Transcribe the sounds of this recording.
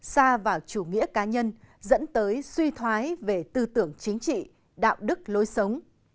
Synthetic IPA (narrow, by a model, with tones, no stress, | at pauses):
saː˧vaː˨˩wt͡ɕu˧˩ŋḭ˧˥əkaː˨˦ɲə˧n | zə̰˧˥nt̪əː˨˦jswi˧t̪ʰwaː˨˦jve˨˩t̪ɨ˧t̪ɨ˧˩əŋt͡ɕï˨˦ŋ̟t͡ɕḭ˧˨ | ɗa̰ː˧˨wɗɨ˦˥k̚lo˨˦jsə˨˦wŋ͡m